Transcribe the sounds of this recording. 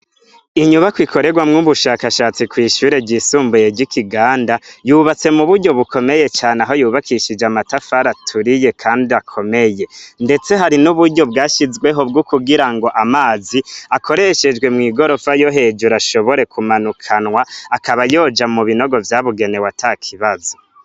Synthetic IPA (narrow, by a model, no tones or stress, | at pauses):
iɲuβakwikʰo̞ɾe̞ɡwamŋuβuʃaːkaʃaːt͡sikwiːʃuːɾe̞ɟisuːmbujeɟikʰiɡaːndajuβat͡se̞muβuɾɟo̞βuko̞meje̞t͡ʃaːneaɦo̞juːβakʰiʃid͡ʒeamatafaɾatʰuɾije̞kʰaːndiakʰo̞me̞je̞nde̞t͡se̞ɦaɾinuβuɾɟo̞b̚ɡaːʃizɡwe̞ɦo̞bɡukuɡiɾaŋɡo̞ʔamaːziakʰo̞ɾe̞ʃe̞d͡ʒɡwe̞mŋiːɡo̞ɾo̞fajo̞ɦe̞d͡ʒuɾaʃo̞βo̞ɾe̞kumanukʰanwaːkaβajo̞ːd͡ʒamuβino̞ɡo̞vjaβuɡe̞ne̞watʰakʰiβazo